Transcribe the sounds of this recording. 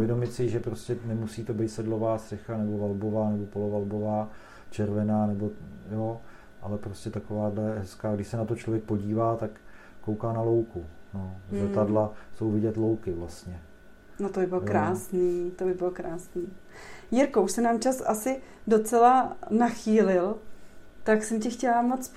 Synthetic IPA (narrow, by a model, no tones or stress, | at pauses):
vjɛdomɪt̪sɪʒɛpɾoscɛnɛmusiːt̪o̞bejt̪sɛdlovaːst̪r̥ɛxanɛbo̞valbo̞vaːnɛbo̞polovalbo̞vaː | t͡ʃɛɾvɛnaːnɛbo̞jo | ʔalɛpɾoscɛt̪akovaːdlɛɦɛskaːɡdɪʃsɛnat̪o̞t͡ʃlovjɛk̚po̞ɟiːvaːt̪akː | owkaːnalo̞wkunolɛt̪adlaso̞wvɪɟɛt̪lo̞wkɪvlast̪ɲɛ | not̪obɪbɪlokɾaːsniːt̪obɪbɪlokɾaːsniː | jɪɾkouʃsɛnaːmt͡ʃasa̰sɪdo̞t͡sɛlanaxiːlɪl | t̪aksɛmcɛxcɛlamot͡s